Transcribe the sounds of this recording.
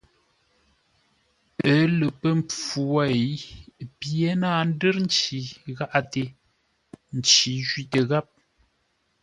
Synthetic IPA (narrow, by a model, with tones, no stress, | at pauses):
ə˨˦lə˨pə˦m˨p͡fu˨wa˦˨pje˦naː˦˨n̩˦də˦ɾn̩˦t͡ʃi˨ɣa˦ʔa˦˨te˨ | n̩˨t͡ʃi˨˦ʒɥi˦tə˨ɣa˦p̚